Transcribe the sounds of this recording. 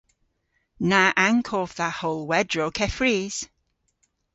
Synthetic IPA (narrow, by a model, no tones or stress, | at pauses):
naʔaŋkʰɔvðahoːlˠwɛdɹokʰɛfɹiːz̥